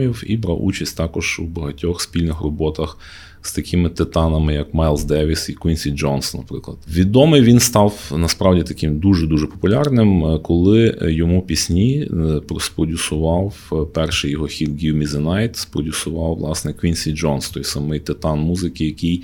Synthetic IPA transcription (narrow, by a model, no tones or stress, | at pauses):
iwḭbɾɑ̰wṵt͡ʃɐsʲtʲt̪ɑkɔʒ̥bɐɦɐtʲɔxspʲilʲnɪxrɔbɔt̪ɐx | st̪ɐkʲɪmɪt̪ɪt̪ɑnɐmɪjɐkmajlˠzd̪ɛʋʲisikwʲinʲsʲid͡ʒɔnsnɐpɾɪklˠɐd̪ʋʲid̪ɔmɪjʋʲinst̪ɑwnɐspɾɑwdʲit̪ɐkɪmd̪uʒɛd̪uʒɛpɔ̥pʊlʲɑrnɪmkɔlˠɪjɔmupʲisʲnʲipɾɔspɾɔdʲʊsʊʋɑwpɛrʃɪjɔɦɔxʲilɡʲiwmʲizɪnɑjt̪spɾɔdʲʊsʊʋɑwʋlˠɑsnɛkʋʲinsʲid͡ʒɔnst̪ɔjsɐmɪjt̪ɪt̪ɑnmuzɪkɪjɐkɪj